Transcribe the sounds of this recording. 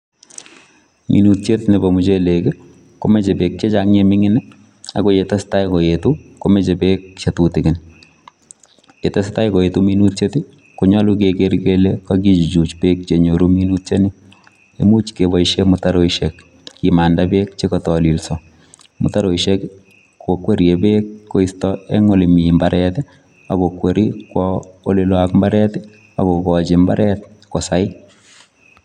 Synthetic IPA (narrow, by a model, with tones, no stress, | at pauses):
mʔḭ˨nutt͡ʃe˦tne˨bo˨mu˨t͡ʃe˦le˨kɪ˦ | ko˦me˦t͡ʃe˨pe˨k̚t͡ʃe˦t͡ʃaŋɲemɪ˦ŋɪ˦nɪ˦ | a̰˨ko˦je˨ta˦sta˦jko˨jetu˦ko˦me˦t͡ʃe˨pekt͡ʃe˨tutɪ˨kɪ˨n | e˨ta˦sta˦jko˨je˨tumi˦nu˦tt͡ʃe˦tɪ | ko˨ɲɔ˦lukeke˦rkelekɔki˦t͡ʃi˨t͡ʃu˨t͡ʃpe˦k̚t͡ʃe˨ɲo˨ɾu˦mi˦nu˦tt͡ʃe˦nɪ˦ | emu˦t͡ʃke˨bɔ˨iʃemʊtaɾo˦iʃekː | ima˨ndabekt͡ʃe˦kɔtɔ˨li˨lsɔ | mʊ̰˨taɾo˨iʃe˦k | ko˨kwe˦ɾjebe˦kːo˨i˦stɔe˦ŋo˦˨li˨mi˨mbaɾʔɛt | a˨ko˨kwe˨ɾi˦kwɔo˦lɪlwakmba˦ɾɛ˦t | a̰˨ko˨kɔt͡ʃɪmba˦ɾɛt | ko˨saɪ˦